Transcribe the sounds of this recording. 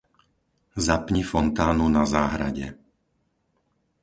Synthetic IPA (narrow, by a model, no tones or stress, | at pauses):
zapɲifɔnt̪aːnunazaːɦɾaɟɛ̰